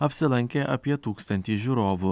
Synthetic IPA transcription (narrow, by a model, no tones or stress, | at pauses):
ɐpʲsʲɪlˠɐŋʲkʲeʔɐpʲiɛt̪uːkst̪ɐnʲt̪ʲiːʒʲuɾoːʋu